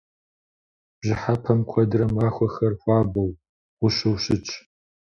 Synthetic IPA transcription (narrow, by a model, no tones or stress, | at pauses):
b̥ʑɪħapʰɐmkʷʰɐdɨrɐmaːxʷɔxɐrxʷɑːbɐw | wʊɕɐwɕɪt͡ʃʼ